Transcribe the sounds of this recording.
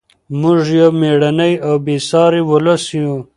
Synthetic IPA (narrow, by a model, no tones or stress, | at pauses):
mʊʐjomeɽanajawbesɑːɾiwʊlasju